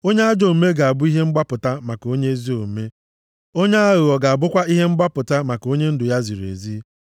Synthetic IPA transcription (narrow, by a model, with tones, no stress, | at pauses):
o˦ɲe˦a˦d͡ʒo˨˦me˦ɡa˨a˨bʊ˦i˦ɦe˦ŋ͡m̩˦ɡ͡ba˦pʊ˨ta˦ma˨ko˦ɲe˦e˦zi˦o˨me˦ | o˦ɲe˦a˦ɣʊ˨ɔ˨ɡa˨a˨bʊ˦kʷa˦i˦ɦe˦m̩˦ɡ͡ba˦pʊ˨ta˦ma˨ko˦ɲe˦n̩˦dʊ˨ja˦zi˨ɾḛ˨zi˦